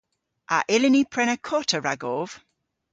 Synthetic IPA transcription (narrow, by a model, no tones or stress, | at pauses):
aʔɪlɪnipʰɹɛnəkʰɔtʰəɹaɡov̥